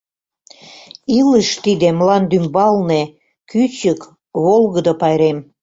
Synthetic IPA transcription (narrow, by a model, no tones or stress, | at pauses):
iləʃt̪id̪ĕmlɑnd̪ymbɑlne | kyt͡ɕək | βolɣəd̪opɑjɾem